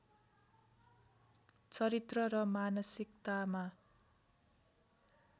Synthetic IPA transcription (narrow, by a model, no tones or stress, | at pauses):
t͡sʌɾit̪rʌɾʌmanʌsikt̪ama